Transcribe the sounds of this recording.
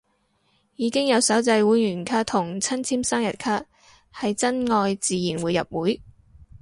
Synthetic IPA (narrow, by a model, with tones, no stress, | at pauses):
jiː˨˧kɪ˥ŋjɐ˨˧wsɐ˨˥wt͡sɐ˧jwuː˨˥jjyː˨˩nkʰaː˥t̪ʰʊ˨˩ŋt͡sʰɐ˥nt͡sʰiː˥msaː˥ŋjɐ˨t̚kʰaː˥t̚ | hɐ˨jt͡sɐ˥nŋɔː˧jt͡siː˨˧jiː˨˩nwuː˨˧jːɐ̰˨p̚wuː˨˥j